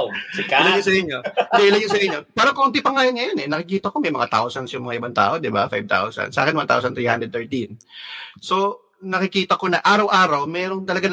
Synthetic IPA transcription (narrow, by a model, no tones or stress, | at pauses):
kɪlaɲosɐʔɪɲːo̞d̪ɛʔɪlɐɲosɐʔɪɲːo̞paːɾɐŋkont̪ɪpɐŋːajonŋɐjonɛnɐkɪkiːt̪ɐko̞mɐjmɐ̰ŋa̰t̪a̰wsɐnsjʊŋmɐŋaʔɪbant̪a̰ːʔo̞d̪ɪba̰fajb̚t̪a̰wsɐ̰nd̪sɐa̰kɪnwɐnt̪a̰wsɐnt̪ɾiːha̰nd̪ɾɛd̪t̪ɛɹt̪inso̞ | nɐkɪkiːt̪ɐko̞nɐʔaːɾɐwʔaːɾɐwmɛːɾoŋt̪ɐlɐɡa